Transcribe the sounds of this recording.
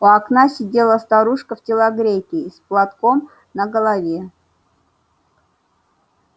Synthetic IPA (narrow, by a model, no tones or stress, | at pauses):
ʊɐknasʲɪdʲelˠəst̪aɾuʂkəftʲɪlˠaɡɾʲekʲɪsplˠat̪ko̞m | nəɡəlˠavʲe